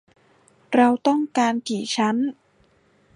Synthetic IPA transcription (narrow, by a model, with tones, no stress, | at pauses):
ɾa˧wt̪ɔ˥˩ŋkaː˧nt̪ʰiː˨˩˦t͡ɕʰa˦˥n